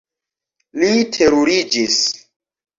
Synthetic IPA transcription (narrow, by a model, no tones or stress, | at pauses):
litʰeɾuɾid͡ʒis